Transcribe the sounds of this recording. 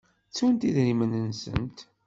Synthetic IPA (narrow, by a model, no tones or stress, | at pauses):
t͡sːunt̪iðɾimənənsə̰nt̪